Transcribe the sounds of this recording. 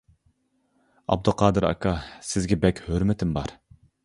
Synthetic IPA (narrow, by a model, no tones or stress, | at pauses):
ɑ̰b̚d̪ʊqʰɑːd̪ɨɾɑ̰kʰɑsɪzɡʲɛbɛkʲhøɾmɪt̪ʰɪmbɑɾ